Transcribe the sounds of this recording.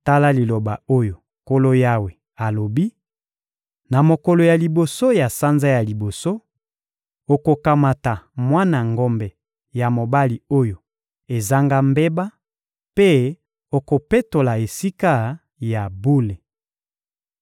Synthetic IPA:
ta˦la˦li˨lo˨ba˨o˦jo˨ | ko˦lo˦ja˦we˨ | a˨lo˨bi˦ | na˨mo˨kɔ˨lo˨ja˨li˨bo˨so˦ja˨sa˦nza˦ja˨li˨bo˨so˦ | o˨ko˨ka˨ma˨ta˨mwa˦na˨ŋɡo˦mbɛ˨ | ja˨mo˨ba˦li˨o˦jo˨ | e˨za˦ŋɡa˦mbe˦ba˦ | pe˦ | o˨ko˨pe˦to˨la˨e˨si˦ka˦ | ja˨bu˦le˨

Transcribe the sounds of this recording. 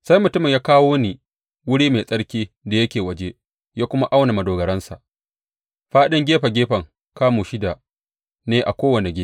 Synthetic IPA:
sa˦jmʊ˨tʊ˦mɪ˨ɲjaː˦kaː˦woː˦ni˨ | wʊ˦ɽiː˦ma˨sʼɐ˦ɽkʲiː˦ | da˨jɐ˦kʲeː˨wɐ˦d͡ʒe˦ | jaː˦kʷʊ˦ma˦ʔa˦wna˨mɐ˨doː˨ɡɐ˨ɾɐ˦nsa̰˨ʔ | ɸaː˦ɗɪ˦ŋɡʲeː˦ɸa˨ɡʲeː˦ɸɐ˨ŋ | kaː˦muː˨ʃɪ˦da˨ | neː˦ʔa˨kʷoː˦wɐ˨ne˨ɡʲeː˦

